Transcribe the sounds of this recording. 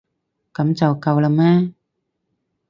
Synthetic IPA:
ka˨˦mt͡ɕa˨˩wka˧˩wla˧˩maː˧˥˨

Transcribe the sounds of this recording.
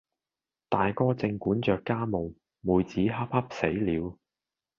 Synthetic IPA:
t̪aː˨jkɔː˥t͡sɪ˧ŋkuː˨˥nt͡ʃœː˨kːaː˥mo˨w | muː˨˧jt͡siː˨˥ɦɐ˥p̚hɐ˥p̚se˨˥jliː˨˧w

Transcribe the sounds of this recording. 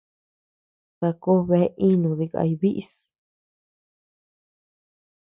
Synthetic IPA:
ta˧ko˦βe˧˦ʔi˦nũ˨ði˧ka̰˧i˧βi˦ʔs

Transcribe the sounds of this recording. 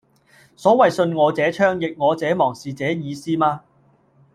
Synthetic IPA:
sɔː˨˥wɐ˨jsɵ˧nŋɔː˨˧t͡sɛː˨˥t͡ʃʰœː˥ŋjɪ˨k̚ŋɔː˨˧t͡sɛː˨˥mɔː˨˩ŋsiː˨t͡sɛː˨˥jiː˨˧siː˥maː˧

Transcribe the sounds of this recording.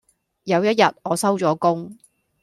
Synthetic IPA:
jɐ˨˧wjɐ˥t̚jɐ˨t̚ɔː˨˧sɐ˥wt͡ʃɔː˨˥kʊ˥ŋ

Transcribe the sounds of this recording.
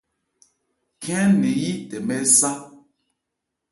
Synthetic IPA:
kʰɛ̃˦ne˨ji˦tɛ˨mɛ˦sa˦

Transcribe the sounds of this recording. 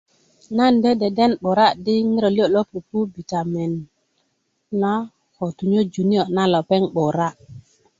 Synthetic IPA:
na˦nde˦de˨de˦nɓo˨ɾa˦di˦ŋi˦ɾo˨li˦o˦˨lo˦pu˨pu˦bi˨ta˨mɛ˨n | a˦ | ko˨tu˨ɲo˦d͡ʒu˨ni˦o˨na˦lo˨pe˦ŋɓo˨ɾa˦

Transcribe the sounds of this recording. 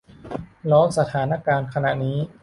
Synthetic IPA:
lɔː˦˥sa˧t̪ʰaː˩˦na˦˥kaː˧nkʰa˧na˨˩ʔniː˦˥

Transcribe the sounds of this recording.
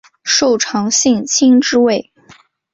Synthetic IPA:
ʂo˥˩ʊʈ͡ʂʰɑ˧˥ŋɕi˥˧ŋt͡ɕʰi˥ŋʈ͡ʂɻ̩˥we˥˩ɪ

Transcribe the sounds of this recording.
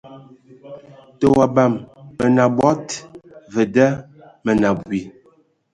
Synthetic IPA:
tə˦˨wa˨ba˨mːə˨na˨bwɔ˦tvə˨də˦ | mə˨na˨bbwi˨

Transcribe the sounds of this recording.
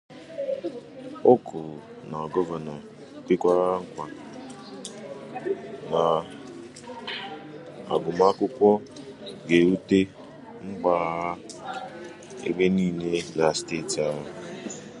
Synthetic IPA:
ʊ˦kʰʊ˨ɾ | na˨ɡɔ˦va˨nɔ˨ | bɪ˦kʷa˦ɾa˦ŋ̩˦kʷa˨ | na˨ | a˨ɡʊ˨ma˦kʊ˦kʷɔ˦ɡe˨u˦te˦ | ŋ͡m̩˦ɡ͡ba˦˨ɦa˦ | ḛ˦ɡ͡be˦niː˦˨ne˦na˨ste˦˨ta˦ɦʊ˨

